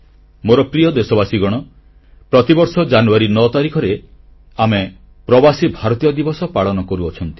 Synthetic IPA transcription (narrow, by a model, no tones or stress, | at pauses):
moɾɔpɾijɔd̪esɔbasiɡɔɽ̃ɔ | pɾɔt̪ibɔɾsɔd͡ʒanuaɾinɔt̪aɾikʰɔɾe | ame | pɾɔbasibʱaɾɔt̪ijɔd̪ibɔsɔpaɭɔnɔkɔɾuɔt͡ʃʰɔnt̪i̥